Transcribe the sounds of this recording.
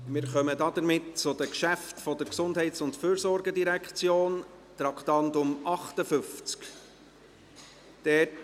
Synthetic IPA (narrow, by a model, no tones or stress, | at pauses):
mɪːɾχœmədɑd̪əɾmɪtt͡sʊd̥əkʃæftfɔd̥̪əɾksʊndɦɛɪtsʊntfyːɾsɔɾɡədiɾækχt͡sjoːn | t̪ɾɑkχtɑndʊmɑχtəfʏft͡sk | d̥ɛ